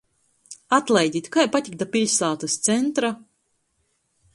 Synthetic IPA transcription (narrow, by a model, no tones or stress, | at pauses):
at̪lˠɛjd̪ʲit̪kajpat̪ʲik̚d̪apʲiʎʲsaːt̪ast̪sɛnt̪ɾa